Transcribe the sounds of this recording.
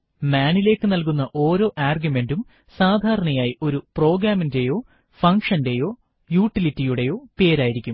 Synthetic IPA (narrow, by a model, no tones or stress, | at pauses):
maːɳile̞ːkːɨnɐlkunːɐʔo̞ːɾo̞ːʔaːrɡjume̞ndum | saːd̪ʱaːɾɐɳɐjaːjiʔo̞ɾupro̞ːɡɾaːminde̞jo̞ː | fɐŋkʂɐnde̞jo̞ː | juːʈːilitːijuɽe̞jo̞ːpe̞ːɾaːjiɾikʲːum